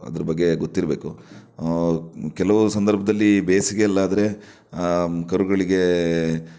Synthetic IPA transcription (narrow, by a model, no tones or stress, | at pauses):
ɐ̰d̪ɐɾɐbɐɡːe̞ɡot̪ːiɾɐbeːku | kɛlɐʋusɐnd̪ɐɾbʱɐd̪ɐlːibeːsiɡe̞ɛlːaːd̪ɐɾe̞ | kɐɾuɡɐɭiɡe